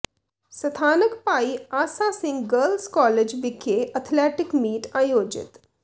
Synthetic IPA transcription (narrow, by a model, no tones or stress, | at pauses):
sɐt̪ʰaːnəkpaːiaːsasɪ̃ŋɡɡəɾlskɔːled͡ʒʋɪkʰːeʔət̪ʰleːʈɪkmiːʈaːjoːd͡ʒɪ̰t̪